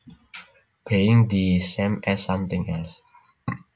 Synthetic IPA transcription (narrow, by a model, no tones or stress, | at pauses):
peɪ̃ŋdisɛ̃mɛsːʌ̃mt̪ɪ̃ŋɛls